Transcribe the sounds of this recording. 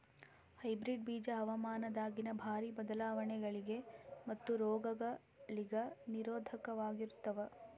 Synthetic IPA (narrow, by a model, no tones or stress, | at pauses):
hɐjbɾiɖ̚biːd͡ʒɐɦɐʋɐmaːnɐd̪aːɡinɐbʱaːɾibɐd̪ɐlaːʋɐɳɛɡɐɭiɡe̞mɐt̪ːuɾɔːɡɐɡɐ | liɡɐniɾoːd̪ʱɐkɐʋaːɡiɾut̪ːɐʋɐ